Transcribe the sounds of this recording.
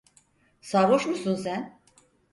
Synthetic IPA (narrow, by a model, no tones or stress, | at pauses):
saɾoʃmusunsæn